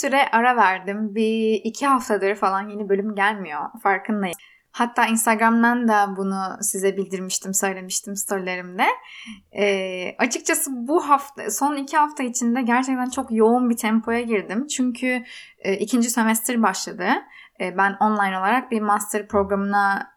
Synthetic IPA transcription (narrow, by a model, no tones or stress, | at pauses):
syɾɛʔaɾavæɾd̪imbiːcʰiɦaft̪ʰad̪aɾɯfalˠanjenibø̞lʲymɟælʲmijo̞faɾkʰɯnlˠaj | hat̪ʰːaːinst̪ʰaɡɾamd̪and̪abunusizɛbilʲd̪iɾmiʃt̪ʰimsø̞jlʲe̞miʃt̪ʰimst̪ʰo̞ɾlʲe̞ɾimd̪ɛ | ɛːat͡ʃʰɯk̚t͡ʃʰasɯbuɦaft̪aso̞nicʰihaft̪ʰait͡ʃʰind̪ɛɟæɾt͡ʃʰɛc̚t̪ʰænt͡ʃʰo̞kjo̞unbit̪ʰɛmpʰo̞jaɟiɾd̪imt͡ʃʰyɲcʰyː | ʔicʰind͡ʒise̞mɛst̪ɾbaʃlˠad̪ɯː | bæno̞nlˠajno̞lˠaɾak̚bimast̪ʰɯɾpɾo̞ɡɾamɯna